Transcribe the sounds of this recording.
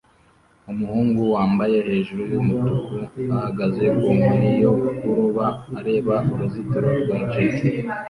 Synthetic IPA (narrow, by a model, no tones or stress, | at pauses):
umuhuːŋɡuwaːmbaje̞he̞ːʒuɾujumutukuahaɡaze̞kumuɾijo̞kuɾuβaːɾe̞ːβaumuzitaɾoɡeːnt͡ʃiki